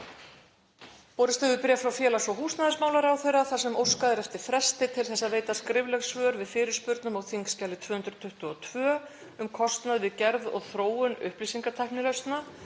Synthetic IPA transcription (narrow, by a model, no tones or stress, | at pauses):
pɔːɾɪst̪ʏvʏpɪɾjafɾawfjɛːlasvɔɦuːsnaðɪsmaːwlaɾawθejɾaθasɛmowskaðɪɾɛft̪ɪɾ̥fɾɛst̪ɪt̪ʰɪlθɛsːaðveːjt̪askɾɪvlɛɣsvœːɾvɪðfɪːɾɪɾ̥spʏɾt̪nʏmawθiŋkscawlɪt̪ʰv̥œːhʏnt̪ɾʏ̥t̪ʰʏht̪ʏɔt̪ʰv̥œː | ʏmkʰɔst̪naðvɪðcɛɾðɔ̰ɣθɾoːwʏnʏ̰hplisiŋkat̪ʰajhknɪlœɥst̪na